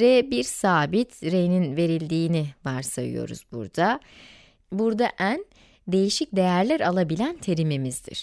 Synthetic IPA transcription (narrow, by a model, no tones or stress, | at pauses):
ɾɛbiɾsaːbit̪ɾejninve̞ɾilʲd̪iːnivaɾsajɯ̰jo̞̰ɾṵzbṵɾd̪a | buɾd̪aʔæn | d̪e̞jiʃic̚d̪e̞jæɾlʲæɾalˠabilʲænt̪ʰe̞ɾimimizd̪ḭɾ̥